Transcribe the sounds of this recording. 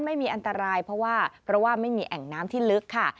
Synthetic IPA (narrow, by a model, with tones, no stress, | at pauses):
nma˥˩jmiː˧ʔa˧nt̪a˧ɾaː˧jpʰɾɔ˦˥waː˥˩pʰɾɔ˦˥waː˥˩ma˥˩jmiː˧ʔɛ˨˩ŋnaː˦˥mt̪ʰiː˥˩lɯ˦˥kʰːa˥˩